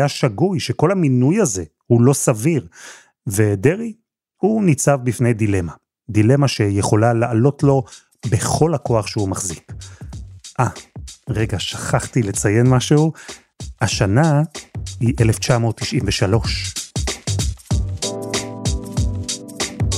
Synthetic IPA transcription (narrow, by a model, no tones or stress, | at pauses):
jaʃaɡujʃeko̞laminujaze̞ | hulo̞saviʁ | ve̞de̞ʁi | hunit͡savbifne̞jdile̞ma | d̪ile̞maʃe̞jeχo̞lalaʔalo̞tlo̞ | be̞χo̞lhako̞aχʃeumaχzik | ʔaʁeɡaʃḁχaχt̪ilet͡saje̞nmaʃeu | haʃana | hiʔeleft͡ʃamo̞ːtːiʃimveʃalo̞ʃ